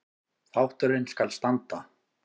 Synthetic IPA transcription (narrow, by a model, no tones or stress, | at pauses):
θawht̪ʏɾɪnskalst̪ant̪a